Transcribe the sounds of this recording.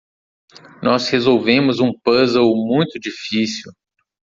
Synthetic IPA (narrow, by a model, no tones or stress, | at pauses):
nɔshezowvẽmʊzũpɐzɐwmũj̃t̪ʊd͡ʒifisiw